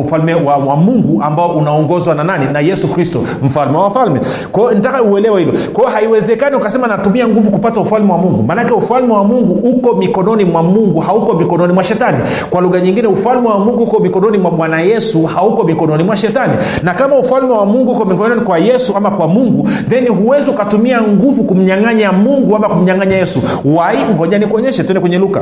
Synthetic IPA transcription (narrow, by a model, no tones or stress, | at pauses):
ufalmɛwamwamuŋɡuambaɔʔunaɔŋɡɔzwanananinajɛsukɾistɔ̰ | m̩falmɛwaafalmɛ | kwaɔn̩itakauɛlɛwɛhilɔkwaɔhaiwɛzɛkaniukasɛmanatumiaŋɡuvukupataufalmɛwamuŋɡumanakɛufalmɛwamuŋɡuukɔmikɔnɔnimwamuŋɡuhaukɔmikɔnɔnimwaʃɛtani | kwaluɣaɲiŋɡinɛufalmɛwamuŋɡuhukɔmikɔnɔnimwaɓwanajɛsuhaukɔmikɔnɔnimwaʃɛtanḭ | nakamaufalmɛwamuŋɡuukɔmikɔnɔnikwajɛsuamakwamuŋɡudɛniɦuwɛziukatumiaŋɡuvukum̩ɲaŋaɲamuŋɡuamakum̩ɲaŋaɲajɛsu | waiŋɡɔɲanikuɔɲɛʃɛtwɛndɛkwɛɲɛluka̰